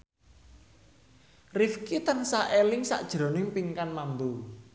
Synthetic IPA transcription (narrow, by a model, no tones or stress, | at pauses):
rifkit̪ənsaʔelɪŋsa̰ʔd̥ʒ̥ɾɔ̤nɪŋpiŋkanmambu